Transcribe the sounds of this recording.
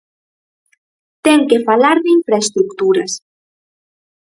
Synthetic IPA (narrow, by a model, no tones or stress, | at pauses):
t̪ɛŋkefalaɾðɪiɱfɾaest̪ɾukt̪uɾɐs